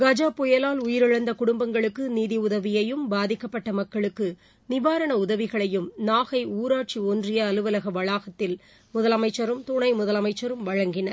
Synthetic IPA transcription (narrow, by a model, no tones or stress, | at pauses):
ɡɐd͡ʒaːpɔjɐlaːlʊjɪɾɯɻɐnd̪ɐkʊɽʊmbɐŋɡɐɭɯkːɯniːðiʊðɐʋɪjɐjɯmbaːðɪkːɐpːɐʈːɐmɐkːɐɭɯkːɯ | nɪʋaːɾɐɳɐʊðɐʋɪɣɐɭɐjɯmnaːɣɐɪuːɾaːʈ̚t͡ʃiɔndrɪjɐːlɯʋɐlɐɣɐʋɐɻaːɣɐt̪ːɪl | mʊðɐlɐmɐɪt͡ʃːɐɾɯmt̪ʊɳɐɪmʊðɐlɐmɐɪt͡ʃːɐɾɯmʋɐɻɐŋɡɪnɐɾ